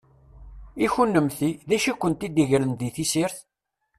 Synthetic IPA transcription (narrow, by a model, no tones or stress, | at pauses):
içunːəmθiðæʃikʷːənt̪id̪iʝɾənðiθisiɾθ